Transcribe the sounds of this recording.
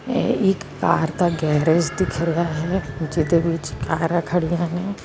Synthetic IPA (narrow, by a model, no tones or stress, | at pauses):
ɪkːaːɾt̪aɡɛːɾed͡ʒd̪ɪkʰɾɐjaɦɛd͡ʒɪd̪eʋɪt͡ʃkaːɾãkʰɐɽijãne